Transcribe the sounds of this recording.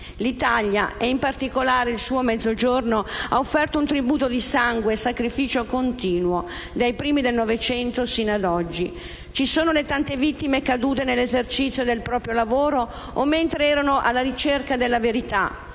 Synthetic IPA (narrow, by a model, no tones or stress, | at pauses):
lit̪aʎja̰ɛimpart̪ikolaːɾeilsuːomɛd̪zːod͡ʒornoaofːɛrt̪ount̪ɾibuːt̪od̪isaŋɡweːsakɾifiːt͡ʃokont̪iːnwo | d̪ajpɾiːmid̪elnɔvet͡ʃɛnt̪osiːnoad̪ɔd͡ʒːi | t͡ʃisoːnolet̪ant̪evit̪ːimekad̪uːt̪̬enelːezert͡ʃit̪sjod̪elpɾɔːpɾjolavoːɾo | omːent̪ɾeɛːɾanoʔa̰lːaɾit͡ʃerkad̪elːaveɾit̪a̰